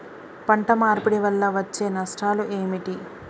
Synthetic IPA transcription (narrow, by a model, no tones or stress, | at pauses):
pɐɳʈɐmaːɾpuɽiʋɐlːɐʋɐt͡ʃːe̞ːnɐʂʈʰaːluʔeːmiʈi